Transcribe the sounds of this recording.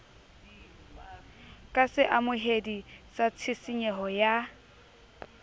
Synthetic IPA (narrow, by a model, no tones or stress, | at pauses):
kʼasɪʔamʊɦedisat͡sʰɪsɪɲɛɦɔja